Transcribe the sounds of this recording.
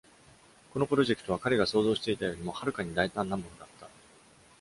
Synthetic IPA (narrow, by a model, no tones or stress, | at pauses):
ko̞no̞pɯ̟ɾo̞ʑe̞kɯ̟t̪oakaɾe̞ɡaso̞ːzo̞ːɕi̥t̪e̞it̪ajo̞ːɾʲimo̞haɾɯ̟kaɲ̟id̪ait̪ãnːãmbond̪at̪ːa